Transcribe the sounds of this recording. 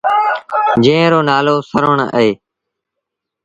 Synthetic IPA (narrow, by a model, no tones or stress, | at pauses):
d͡ʒẽːɾoːnaːloːsəɾəɳəɦeː